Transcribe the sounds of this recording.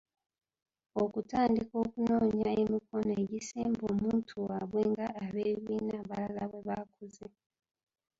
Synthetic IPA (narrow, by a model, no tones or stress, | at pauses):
o̞kutaːndiko̞ːkuno̞ːɲaemiko̞noe̞ɟisemboːmuːntʰuwaβwe̞ŋɡaːβe̞βiβiːnaβalalaβwe̞βakuze